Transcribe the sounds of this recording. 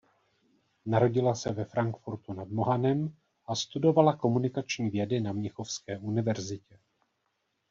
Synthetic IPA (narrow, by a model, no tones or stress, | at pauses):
naɾo̞ɟɪlasɛvɛfɾaŋkfuɾt̪unadmoɦanɛm | ʔast̪udo̞valako̞munɪkat͡ʃɲiːvjɛdɪnamɲɛxo̞fskɛːʔunɪvɛɾzɪcɛ